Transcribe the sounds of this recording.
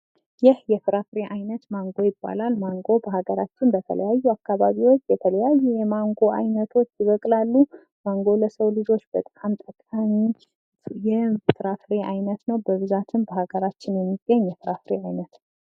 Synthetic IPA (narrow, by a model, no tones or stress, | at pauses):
jɪhjɛfɨɾafɾe̞ʔajnət̪maŋɡo̞jɪbːa̰lalmaŋɡo̞bəhaɡəɾat͡ʃːɪnnb̪ət̪ʰə̰lə̰jajːuakːaβaβiwot͡ʃːjɛt̪ʰələjajːujɛmaŋɡo̞a̰jnət̪ʰo̞t͡ʃːjɪβəkʼlalːu | maŋɡo̞ləsəwlɨd͡ʒo̞t͡ʃːbət̪ʼə̥kʼamt̪ʼəkʼəm | jɛfɨɾafɾe̞ʔajnət̪nəwbəβɨzat̪ʰɨnbəɦaɡəɾat͡ʃːɪnjɛmːiɡ̥ːəɲːjɛfɨɾafɾeajnət̪